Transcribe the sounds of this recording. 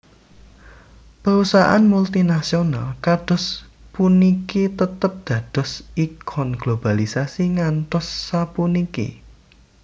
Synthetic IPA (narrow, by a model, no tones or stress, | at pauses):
pəɾusaʔa̰nmult̪inasionalkad̥ɔ̤s | punikit̪ət̪əp̚d̪̥ä̤d̪̥ɔ̤sikʰɔnɡ̥lob̥a̤lisasiŋant̪ɔsːapunikḭ